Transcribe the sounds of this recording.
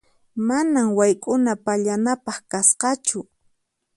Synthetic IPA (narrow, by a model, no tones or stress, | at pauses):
manamwajkʼʊnapaʎanapɑχkasqɑt͡ʃʊ